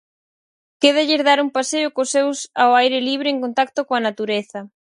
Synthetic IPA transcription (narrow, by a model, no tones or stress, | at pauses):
keðaʎɪɾðaɾuŋpaseokosewsaoajɾɪliβɾɪeŋkont̪ak̚t̪okoɐnat̪uɾeθɐ